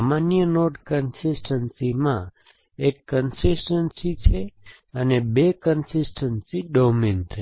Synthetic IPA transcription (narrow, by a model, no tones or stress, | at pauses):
manijənoʈkənsisʈənsimã | ekːənsisʈənsit͡ʃʰe | ənebekənsisʈənsiɖomint̪ʰe